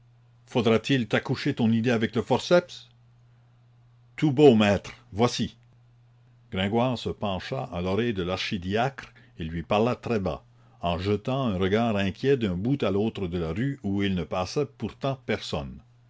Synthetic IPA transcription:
fod̪ʁat̪ilt̪akuʃet̪ɔ̃nid̪eavɛkləfɔʁsɛps | t̪ubomɛːt̪ʁvwasi | ɡ̥ʁɛ̃ɡwaːʁsəpɑ̃ʃa̰ʔɑ̃lɔʁɛjd̪əlaʁʃid̪iakʁ | elɥipaʁlat̪ʁɛba̰ | ɑ̃ʒət̪ɑ̃ɛ̃ʁəɡaːʁɛ̃kʲʰjɛd̪ɛ̃but̪aloːt̪ɾəd̪əlaʁyuilnəpasɛpuʁt̪ɑ̃pɛʁsɔ̰n

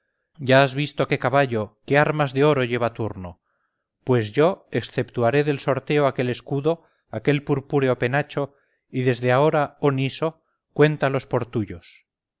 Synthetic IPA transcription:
ɟ͡ʝaazβist̪o̞ke̞kaβaʎo̞ke̞aɾmazðe̞o̞ɾo̞ʝe̞βat̪uɾno̞ | pwe̞zʝo̞eksθe̞pt̪uaɾe̞ðe̞lso̞ɾt̪e̞oake̞le̞skuðo̞ | ake̞lpuɾpuɾe̞ope̞nat͡ʃo̞ | iðe̞zðe̞ao̞ɾaoniso̞ | kwe̞nt̪alo̞spo̞ɾt̪uʝo̞s

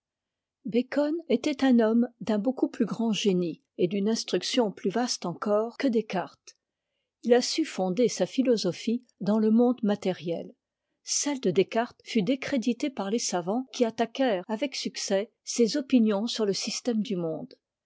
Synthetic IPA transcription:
bekɔnet̪ɛt̪ɛ̃nɔmd̪ɛ̃bokuplyɡʁɑ̃ʒeni | ed̪ynɛ̃st̪χyksjɔ̃plyvast̪ɑ̃kɔʁkəd̪ekaʁt̪ | ilasyfɔ̃d̪esafilɔzɔfi | d̪ɑ̃ləmɔ̃d̪mat̪ɛʁjɛl | sɛld̪əd̪ekaʁt̪fyd̪ekχed̪it̪epaʁlesavɑ̃kʲiat̪akʲɛʁavɛksyksɛ | sezɔpinjɔ̃syʁləsist̪ɛmd̪ymɔ̃d̪

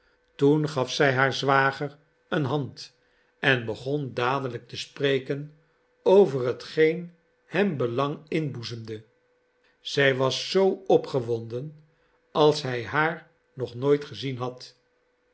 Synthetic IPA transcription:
tunχɑfsɛjɦaːɹzʋaːχər | ənɦɑnt | ɛnbəχɔndaːdələk̚təsprejkən | owvərɦətχejn | hɛmbəlɑŋɪnbuzəmdə | z̥ɛjʋɑsːowɔpχəʋɔndən | ɑlˠsɦɛjɦaːɹ | nɔχnojtχəzinɦɑt

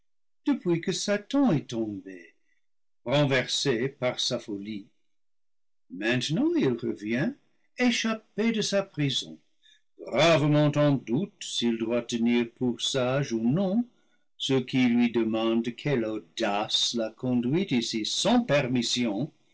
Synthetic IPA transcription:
d̥əpwikəsatɑ̃ɛtɔ̃be | ʁɑ̃vɛʁsepaʁsafoli | mɛ̃tnɑ̃ilʁəvjɛ̃ | eʃapedəsapχizɔ̰̃ | ɡʁavəmɑ̃tɑ̃dutsildwatəniʁpuʁsaʒunɔ̃ | səkʰilɥidəmɑ̃dkʰɛlodaslakɔ̃dɥitisisɑ̃pɛʁmisjɔ̃

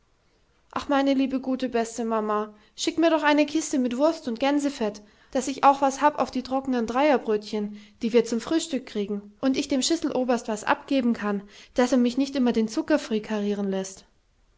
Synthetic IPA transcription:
ʔaχmaɪnəliːbəɡuːtəbɛstəmama | ʃɪkmiːɐɾɔχʔaɪnəkʰɪstəmɪtv̥ʊɐstʊnt̚ɡ̥ɛnzəfɛt | d̥asɪçʔaʊxv̥ashaːbʔa̰ʊfd̥iːtʁ̥ɔkənəndʁaɪɐbʁøːtçənd̥iːviːɐt͡sʊmfʁ̥yːʃtʏkːʁ̥iːɡŋ̩ʔʊntɪçd̥eːmʃʏsl̩ʔoːbɐstv̥asʔa̰pɡ̥eːbm̩kʰand̥aseːɐmɪçnɪçtʔɪmɐdeːnt͡sʊkɐfʁ̥iːkʰaʁiːʁ̞ənlɛst

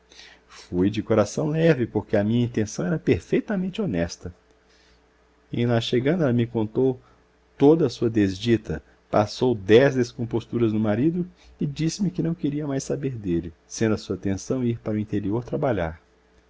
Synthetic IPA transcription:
fujd͡ʒɪkoɾasɐ̃w̃lɛvɪpoɾkeɐmĩɲɐĩt̪ẽsɐ̃w̃ɛɾɐpeɾfejt̪ɐmẽnt͡ʃɪonɛst̪ɐ | ẽnaʃeɡɐ̃nd̪ɐɛlɐmɪkõnt̪ow | t̪od̪ɐːsuɐd̪ezd͡ʒit̪ɐ | pasowd̪ɛzd̪eskõpost̪uɾɐznʊmaɾid̪ʊ | ɪd͡ʒisɪmɪkɪnɐ̃w̃keɾiɐmajsabeɾd̪elɪsẽnd̪ɐsuɐt̪ẽsɐ̃w̃iɾpaɾʊĩnt̪eɾioɾt̪ɾabaʎa̰ɾ

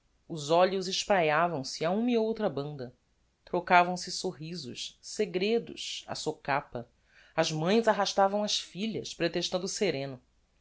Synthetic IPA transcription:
ʊzɔʎʊzɪʃpɾajavɐ̃w̃sɪaũmiowt̪ɾɐbɐ̃nd̪ɐ | t̪ɾokavɐ̃w̃sɪsoɦizʊ̰ʃseɡɾed̪ʊ̰ʃa̰sokapɐ | ɐzmɐ̃j̃zaɦaʃt̪avɐ̃w̃ɐsfiʎɐspɾet̪eʃt̪ɐ̃nd̪ʊseɾẽnʊ

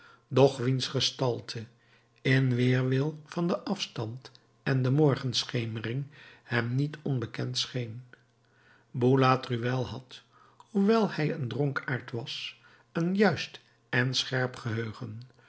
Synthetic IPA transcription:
dɔχʋinsχəstɑlˠtʰə | ɪnʋɪːɹʋɪlˠfɑndəʔɑfstɑnt | ɛndəmɔɹχənsχejmərɪŋhɛmnitʰɔnbəkɛntsχejn | bulaːtryʋɛlˠɦɑt | huʋɛlˠhɛjəndrɔŋkaːɹtʋɑs | ənjœɥst | ɛnsχɛɹpχəɦøːχən

